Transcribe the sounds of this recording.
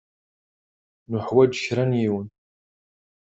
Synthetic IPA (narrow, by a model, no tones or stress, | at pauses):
nuħwɐd͡ʒʃɾɐnjiːwn